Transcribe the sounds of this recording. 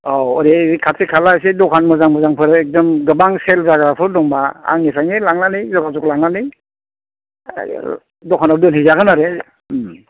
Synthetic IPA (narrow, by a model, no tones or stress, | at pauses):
oɔɾekʰatsikʰalasedɔkʰanmɯzaŋmɯzaŋpʰɯɾɛk̚dɔmɡɯbaŋselzaɡapʰɯɾdɔŋbaa̰ŋːisʰaŋilaŋnanizɔɡazuk̚laŋnani | dɔkʰanadɯnhizaɡɯnaɾe | m